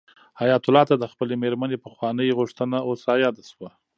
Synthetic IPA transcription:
hajɑt̪ʊlɑt̪ad̪əxpəlemeɾmanepəxwɑnəjɣuʂt̪ənaosɑjɑd̪aswa

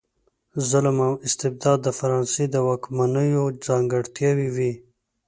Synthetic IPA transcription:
zʊlmamɪst̪ɪb̚d̪ɑd̪ːəfaɾɑnsed̪əwɑkmanəjod͡zɑŋɡəɽt̪jɑwiwi

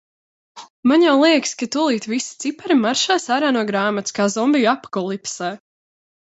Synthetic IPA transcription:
maɲjawlˠiɛkskat̪ulˠiːt̪visi̥t̪sipaɾimaɾʃaːsaɾaːnuɔɡɾaːmat̪skaːzɔmbijapkɔlˠipsɛː

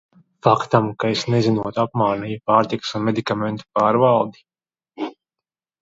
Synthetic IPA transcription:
fakt̪amkaesnezinuɔt̪uapmaːnijupaːɾt̪ikɨ̥sunmed̪ikament̪u̥paːɾvalˠd̪i̥

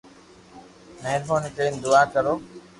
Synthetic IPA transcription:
neːlmoːnɪkeːnd̪ʊaːkəɾoː

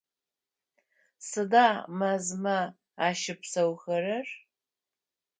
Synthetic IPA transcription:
sɨdaːmɐzmɐ | aːʃɪpʰsɐwxɐrɐr

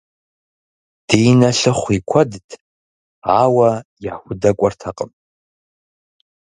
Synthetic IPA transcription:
d̥ejnɐɬɨχʷikʷʰɔdtʰ | aːwɐjaːxʷʊdɐkʷʼɔrtʰɐqʼəm

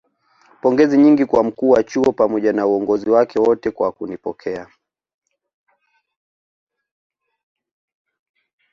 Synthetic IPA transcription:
pɔŋɡɛziɲiŋɡikwam̩kuːwat͡ʃuɔpamɔʄanauɔŋɡɔziwakɛwɔtɛkwakunipɔ̰kʰɛa

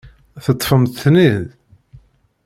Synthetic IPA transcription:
θət̪ˤːfəmθnið

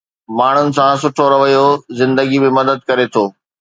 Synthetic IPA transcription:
maːɳ̤ʊnɪ̆sãsʊʈʰoɾɐʋɐijozɪ̃nd̪əɡibɪ̃mɐd̪əd̪̚kɐɾet̪ʰoː

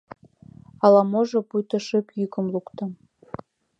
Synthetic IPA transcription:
ɑlˠɑmoʒɤ̆pujt̪ɤ̆ʃəkjykə̆mlˠukt̪ɤ̆

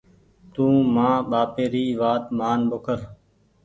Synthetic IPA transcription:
t̪ũːmãːɓaːpeːɾiːʋaːt̪maːnɓʊkʰəɾ

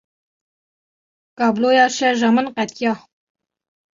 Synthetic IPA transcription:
kɑːblojɑːʃɛʒɑmɨnqɛt̪̚jɑː

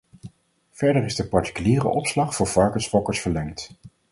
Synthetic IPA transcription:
v̥ɛɹdərɪzdəpɑɹti̥kyliːrə̰ʔɔpslɑχfʊːɹvɑɹkəsfɔkəɹsfəɹlɛŋt

